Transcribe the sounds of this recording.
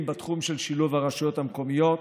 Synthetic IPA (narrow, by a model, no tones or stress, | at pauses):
mbat̪χumʃelʃiluvaʁaʃujo̞t̪hamko̞mijo̞t̪